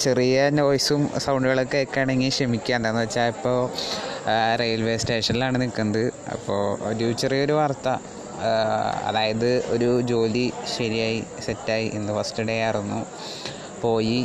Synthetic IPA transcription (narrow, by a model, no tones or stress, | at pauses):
t͡ɕe̞rijɐnʋojsumsɐwɳɖɨɣɐɭokːeːkːaːɳeŋɡilɕrɐmikʲːaːnt̪aːnːɨʋɐt͡ɕːaːɭipːo̞ː | rejɐlʋesteːʂɐnilaːɳɨnikːunːɐðɨɐ̰pːo̞ːɾut͡ɕerijo̞ɾuʋɐːrt̪ːɐ | ɐ̰ðaːjɐðɨo̞̰ɾud͡ʑo̞ːliɕɐɾijaːjisetːaːjiʔenːɨfɐstiɽearunːu | po̞ːji